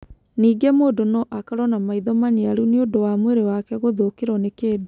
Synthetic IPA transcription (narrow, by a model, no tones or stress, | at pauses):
niːɡɛmoːdonɔʔakaɾɔnamaiðɔmaneaɾuneodowamweɾewakɛɣoðokeɾɔnekeːde